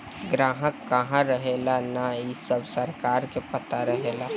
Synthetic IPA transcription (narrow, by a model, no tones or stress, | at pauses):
ɡɾaːɦəkːəɦãɾəɦelanaisəbsəɾkaːɾkepət̪aɾəɦela